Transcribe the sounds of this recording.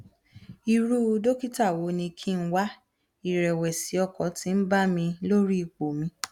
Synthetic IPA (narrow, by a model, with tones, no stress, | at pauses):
i˧ɾu˦˧do˦ki˦ta˦˨wo˨˦nĩ˧kʰi˦n̩˦wa˦ | i˦˨ɾɛ˨wɛ˨si˨˦ɔ˧kɔ̃˨˦ti˨˧n̩˦ba˦mĩ˧lo˦ɾi˦i˨k͡po˨mĩ˧˦